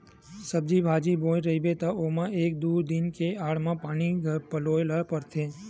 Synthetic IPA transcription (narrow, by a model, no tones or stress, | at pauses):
səb̚d͡ʒibʱad͡ʒibõjɾəibet̪aomãeːk̚d̪uɾd̪inkeaːɭmãpaɽ̃iɡʱəpəloelapəɾt̪ʰẽ